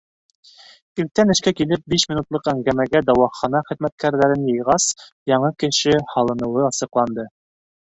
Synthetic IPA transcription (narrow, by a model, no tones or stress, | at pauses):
il̚t̪ːænɘ̆ʃkækilɘp̚biʃmʲinut̪lˠɤqæŋɡæmæɡæd̪ɑwɑχɑnɑχɘ̆ðmæt̪̚kʰæɾðæɾɘnjɤ̆jʁɑsjɑɴɤkɘ̆ʃɘhɑlˠɤ̆nɤ̆wɤɑsɤ̆qlˠɑnd̪ɤ